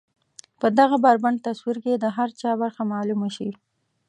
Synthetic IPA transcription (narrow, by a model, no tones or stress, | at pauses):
pəd̪aɣabaɾbaɳt̪aswiɾked̪əɦaɾt͡ʃɑbaɾxamɑlumaʃi